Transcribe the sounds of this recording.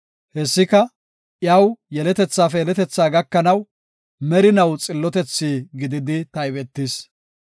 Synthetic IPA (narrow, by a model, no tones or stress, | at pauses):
hɛsːɪkɐ | ʔjɐwjɛlɛt̪ɛt͡sːaːfɛjɛlɛt̪ɛt͡sːaːɡɐkːɐnɐw | mɛɾɪnɐwt͡sʼɪlːɔt̪ɛt͡sːiːɡɪd̪ɪd̪ɪt̪ɐjbɛt̪ːɪs